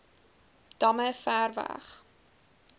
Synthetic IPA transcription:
d̥ɐməfæːrvæ̰χ

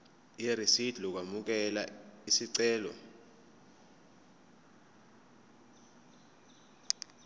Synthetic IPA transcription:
jerisid̥ʱluk̬wamuk̬ɛla̰isiǀɛːlɔ̰

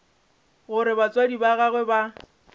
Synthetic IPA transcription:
ɣʊɾɪbat͡sʼwadibaɣaɣwɛba

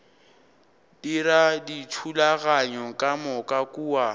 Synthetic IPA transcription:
diɾaditʰulaɣaɲɔkʼamʊkʼakʼuːwa

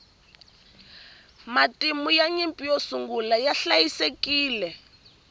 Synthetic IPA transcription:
matimujaɲimpʼijosuŋɡulajaɬajisekiːlɛ

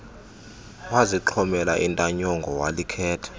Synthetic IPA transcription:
waziǁʰɔmɛlaʔintʼaɲɔŋɡʱɔwalikʰɛːtʰɛ̥

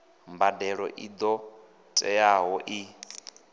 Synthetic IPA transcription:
mbadɛɺɔ̰ʔid̪ɔ | tʼɛaɦɔʔi

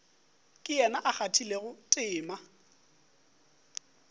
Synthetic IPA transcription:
kʼɪjɛnaʔak͡xatʰileɣʊtʼɪːma

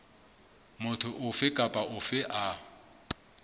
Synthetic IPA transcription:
mʊtʰʊʔʊfɪkʼapʼaʊfɪʔa

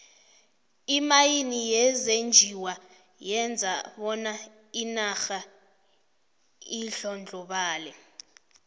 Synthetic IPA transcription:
imajinijɛzend͡ʒʱiwa | jɛnd͡zʱaɓɔna | inaxa | iɬɔnd͡ɮʱɔɓaːlɛ

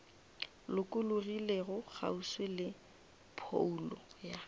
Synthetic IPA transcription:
lʊkʼʊlʊrileɣʊχa̰uswelɪ | pʰo̰ulɔ̰ja

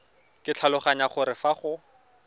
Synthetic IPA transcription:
kɪt͡ɬʰalʊχaɲaχʊɾɪfaχʊ

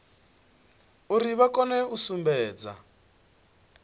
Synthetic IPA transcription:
uɾiβakɔnɛusumbɛːd͡za̰

